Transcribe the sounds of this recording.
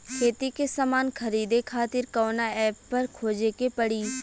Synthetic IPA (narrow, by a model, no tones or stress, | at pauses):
kʰeːt̪ikesamaːnkʰəɾiːd̪ekʰaːt̪ɪɾkɔːnaɛːpːɐɾkʰoːd͡ʒekepəɽiː